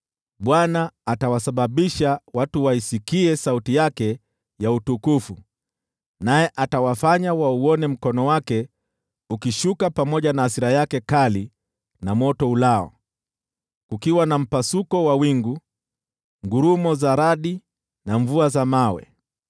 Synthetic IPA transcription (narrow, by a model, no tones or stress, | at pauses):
ɓwanaːtawasaɓaɓiʃawatuwaisikiɛsautijakɛ | jautukufu | najɛʔatawafaɲawauɔnɛm̩kɔnɔwakɛ | ukiʃukapamɔʄanaːsiɾajakɛkali | namɔtɔulaɔ̰ | kukiwanam̩pasukɔwawiŋɡu | ŋɡuɾumɔzaɾaɗi | naɱvuazamawɛ̰